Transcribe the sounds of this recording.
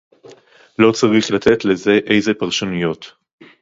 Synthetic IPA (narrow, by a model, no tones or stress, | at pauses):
lo̞t͡saʁiχlat̪ʰe̞t̪le̞ze̞ʔejzepaʁʃonujo̞t̪